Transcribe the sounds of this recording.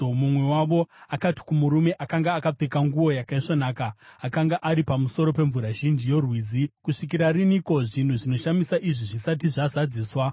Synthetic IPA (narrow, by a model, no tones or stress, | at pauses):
mumwe̞waʋo̞akati̥kumuɾume̞ʔakaŋɡaːkap͡fekaŋɡuwo̞jakaiʂanaːkaːkaŋɡaʔaɾipamuso̞ɾo̞p̬e̞ɱvuɾaʒind͡ʒijo̞rwiːd͡zikuʂik̬iɾariniko̞ʐin̤uʐino̞ʃamisaʔiʐiʐisat̬iʐazad͡ziːswa